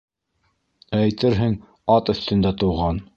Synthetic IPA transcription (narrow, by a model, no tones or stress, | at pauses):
æjt̪ɘɾɦɘŋ | ɑt̪ɵ̆θt̪ɵ̆nd̪æt̪ŏwʁɑn